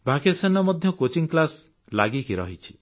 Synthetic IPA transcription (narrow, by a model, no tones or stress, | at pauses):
bʱakesanɔmɔd̪ʱjɔkot͡ʃiŋklas | laɡikiɾɔ̰ɦit͡ʃʰi̥